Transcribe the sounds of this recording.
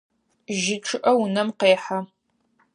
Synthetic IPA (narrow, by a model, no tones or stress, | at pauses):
ʒɪʈ͡ʂʰɨʔɐwʊnɐmqeːħa